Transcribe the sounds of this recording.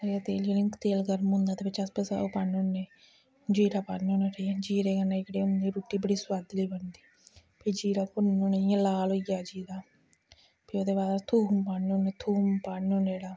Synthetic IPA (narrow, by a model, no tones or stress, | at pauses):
əɾjaːt̪eːliolɪŋkt̪eːlɡəɾmʊ̃nd̪aːt̪eːpɪt͡ʃʰɐspesa̰opanʊnːe | d͡ʒiːɾaːpaːnoneːɾiad͡ʒiːɾeːɡənːãːɪkɽeːʊnd̪iːɾuːʈːiːbəɽiːswad̪liːbənd̪iː | pʰid͡ʒiːɾaːkʊnːʊnejãlaːlojaːd͡ʒiːd̪aː | pʰioːd̪eːbaːd̪at̪ʰuːmpaːnːʊnːeːt̪ʰuːmpaːnoneːɽaː